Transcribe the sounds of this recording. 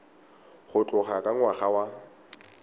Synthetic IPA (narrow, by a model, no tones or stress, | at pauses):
χʊt͡ɬʼʊχakʼaŋ̩waχawa